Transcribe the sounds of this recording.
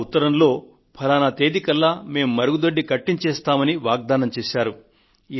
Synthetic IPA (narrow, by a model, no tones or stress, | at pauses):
ut̪ːɐɾɐmlo̞ː | pʰɐlaːnat̪e̞ːd̪ikɐlːaːme̞ːmːɐɾuɡud̪oɖːikɐʈːiɲt͡ʃeːst̪aːmɐniʋaːɡ̚d̪aːnɐmt͡ʃeːʃaːɾu | iː